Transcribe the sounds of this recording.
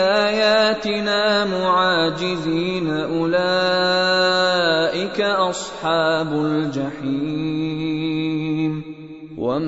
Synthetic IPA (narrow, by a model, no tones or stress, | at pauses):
aaːjaːt̪ɪnaːmʊʕaːd͡ʒɪziːnaʔʊlaː | ʔɪkaʔɑsˤħɑːbʊld͡ʒaħiː | m | wa̰m